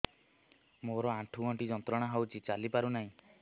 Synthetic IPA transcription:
moɾɔaʈʰuɡɔɳʈid͡ʒɔnt̪ɾɔɽ̃aɦawt͡ʃʰit͡ʃalipaɾunaɦĩ

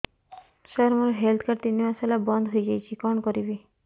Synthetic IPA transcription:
ʃɔɾmɔɾɦelt̪ʰkaɾt̪inːimaselabɔnd̪ʱɦojd͡ʒajt͡ʃʰikɔnkɔɾibe

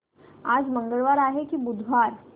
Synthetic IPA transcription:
aːd͡ʒmə̃ŋɡəɭʋaːɾaːɦekibʊd̪ʱʋaːɾ

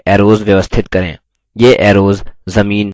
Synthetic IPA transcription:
ɛːɾoːzʋjəʋəst̪ʰɪt̪kəɾḛ̃ː | jeːʔɛːɾoːzzəmiːn

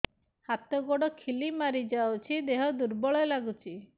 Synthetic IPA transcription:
hat̪ɔɡɔɽɔkʰilimaɾid͡ʒawt͡ʃʰid̪eɦɔd̪uɾbɔɭɔelaɡut͡ʃʰi

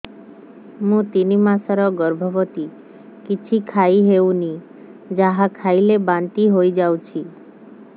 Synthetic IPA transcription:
mũt̪inimãsaɾɔɡəɾbʱɔʋɔt̪i | kit͡ʃʰikʰaiɦeũni | d͡ʒaɦãkʰailebant̪iɦojd͡ʒawt͡ʃʰi

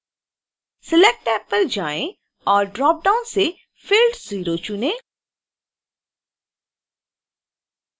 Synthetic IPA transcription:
sɪlɛk̚ʈɛːpːəɾd͡ʒaːẽ | ɔːɾɖɾɔːp̚ɖaːʊnse | fɪlɖz̥iːɾot͡ʃʊnẽː

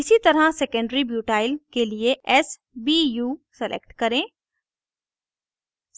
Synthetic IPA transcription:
ɪsit̪ɐɾasekə̃ɳɖɾibjuːʈaːɪlkelieʔɛs | bijuːsɛlʔḛkʈkɐɾẽː | s

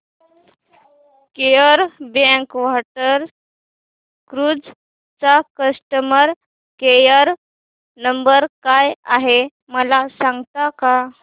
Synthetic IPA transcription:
kejəɾbẽŋkʋaʈəɾ | kɾud͡z | t͡sakəsʈəməɾ | kejəɾ | nəmbəɾkajaɦe | məlasãŋɡt̪aka

